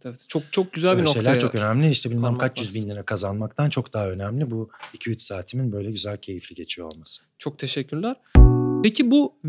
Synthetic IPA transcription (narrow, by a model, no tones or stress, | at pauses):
eɛt͡ʃʰok̚t͡ʃʰok̚ɟyzælbinoʃelʲæɾt͡ʃʰo̞kønæmlʲiiʃt̪ʰɛbilʲmæmkʰat͡ʃjjyzbinʲiɾɛkʰazanmakt̪ʰant͡ʃʰo̞kd̪aɦaø̞næmlʲibuicʰyyt̪saːt̪ʰiminbø̞jlʲɛɟyzælʲcʰe̞jiflʲiɟe̞t͡ʃʰijoo̰lˠmasɯ̥t͡ʃʰok̚t̪ʰeʃɛcʰːyɾlʲæɾ̥pʰecʰibu